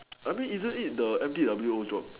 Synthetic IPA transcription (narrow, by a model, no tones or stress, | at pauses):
ʔajmĩnizə̃nit̚dəɛ̃mtidabəljuod͡ʒɹɔp̚